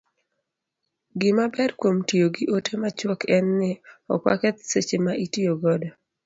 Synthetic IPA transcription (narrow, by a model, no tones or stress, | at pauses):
ɡɪmabɛɾkwomtijoɡiʔotemat͡ʃwɔkʰɛnːɪɔ̰kwa̰kɛt̪set͡ʃemaʔitioɡɔdɔ